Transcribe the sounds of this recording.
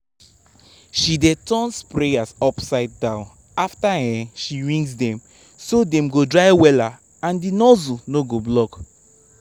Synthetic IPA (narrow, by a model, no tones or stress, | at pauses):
ʃidetɔ̃nspɹeasɔpsaɪd̚ːãn | aftahɛ̃ʃiɹĩŋɡsdɛ̃m | sodɛ̃mɡodɹajwɛla | ãndinɔzunoɡoblɔk